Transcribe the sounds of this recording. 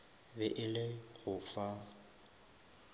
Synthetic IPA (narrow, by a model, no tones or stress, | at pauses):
bɛʔɪlɪɣʊfa